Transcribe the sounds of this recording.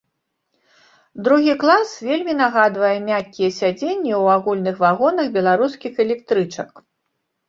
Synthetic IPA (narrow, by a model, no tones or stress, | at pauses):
d̪ɾuɣʲiklˠasvʲelʲmʲinaɣad̪vɐjɛmʲakʲːijɛsʲad͡zʲenʲːɛwaɣulʲnɨxvaɣɔnɐxbʲɛlˠaɾuskʲixɛlʲɛk̚t̪ɾɨt͡ʂɐk